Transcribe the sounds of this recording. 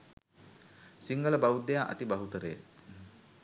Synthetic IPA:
siŋɡələbaud̪ːejaːʔɐ̰t̪ibaɦut̪əɾəja̰t

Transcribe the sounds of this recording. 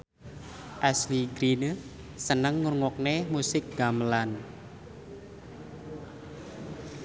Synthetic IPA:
ʔɛsliɡɾin | sənəŋːurŋɔk̚nemusɪk̚ɡ̥amlan

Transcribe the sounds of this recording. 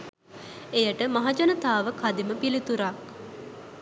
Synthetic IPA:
ejəʈəmaɦad͡ʒanət̪aːʋəkʰad̪iməpilit̪uɾak

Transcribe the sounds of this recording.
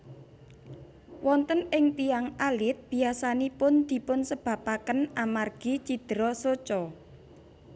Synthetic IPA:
wɔnt̪ənɪŋt̪ijaŋalɪt̪̚b̥i̤asanipʊnd̪̥i̤pʊnsəb̥ä̤pakənʔamarɡ̥i̤t͡ʃid̪̥ɾɔsot͡ʃɔ

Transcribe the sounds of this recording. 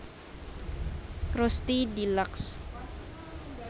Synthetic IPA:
kɾost̪idilaks

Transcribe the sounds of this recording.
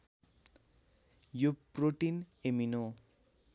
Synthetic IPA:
joproʈinemino

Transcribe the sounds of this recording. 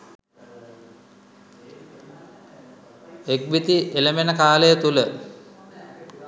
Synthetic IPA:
ek̚ʋit̪iʔeləmenəkaːləjət̪ulə

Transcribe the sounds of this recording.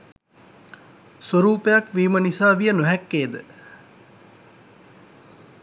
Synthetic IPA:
soɾuːpejakʋiːmənisaːʋijənoɦɛkːeːd̪ə

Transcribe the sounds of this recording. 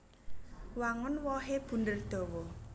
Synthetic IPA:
waŋʊnwɔɦeb̥ṳndərd̪̥ɔ̤wɔ

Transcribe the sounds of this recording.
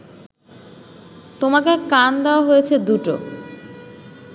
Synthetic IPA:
t̪omakekand̪eoaɦojet͡ɕʰed̪uʈo̰

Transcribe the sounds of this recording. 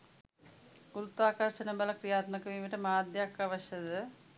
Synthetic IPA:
ɡuɾut̪ːaːkɐɾʂɐnɐbɐlɐkɾijaːt̪mɐkːɐmimiʈːɐmaːd̪jaːkːɐʋɐɕjɐðɨ

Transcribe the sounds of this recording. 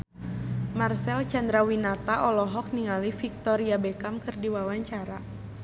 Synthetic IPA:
marsɛlt͡ʃand̪ɾawinat̪aʔɔlɔɦɔk̚niŋalifik̚t̪ɔɾiabɛkamkɨrdiwawaɲt͡ʃaɾa

